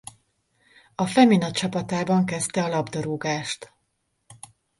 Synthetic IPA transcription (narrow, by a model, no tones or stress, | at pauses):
ɒfɛminɒt̪t͡ʃɒpɒt̪aːbɒŋkɛst̪ɛɒlɒbd̪oɾuːɡaːʃt̪